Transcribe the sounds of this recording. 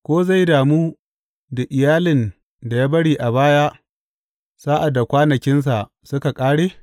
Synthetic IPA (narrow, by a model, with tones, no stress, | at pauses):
kʷoː˦za˦˨jdaː˨muː˦ | da˨ʔɪ˨jaː˦lɪ˨n | da˨jaː˦bɐ˦ɽiː˨ʔa˨baː˦jaː˦ | saː˦ʔa˨da˨kʷaː˦nɐ˨kʲɪ˦ns̬a˨ | sʊ˦ka˨kʼaː˦ɽeː˦